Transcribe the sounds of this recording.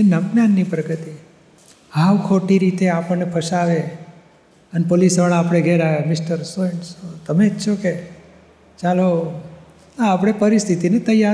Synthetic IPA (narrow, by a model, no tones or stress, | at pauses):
enəmnanːipɾəɡət̪i | ɦaʋkʰoʈiɾit̪eapəɳnepʰəʃaʋe | ənepolisʋaɭ̃apɽ̃eɡʱeɾajamɪsʈəɾsoɳsot̪əmed͡ʒt͡ʃʰoke | t͡ʃalo | aːpɽ̃epəɾist̪ʰit̪inet̪əja